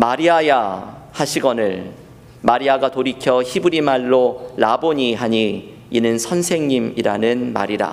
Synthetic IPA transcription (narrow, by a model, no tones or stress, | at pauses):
maɾiaja | haɕʰiɡʌnɯɭ | maɾiaɡatoɾikʰjʌçibuɾimaɭːoɭaboɲiɦaɲi | inɯnsʰʌnsʰe̞ŋɲimiɾa̰nɯnma̰ɾiɾa̰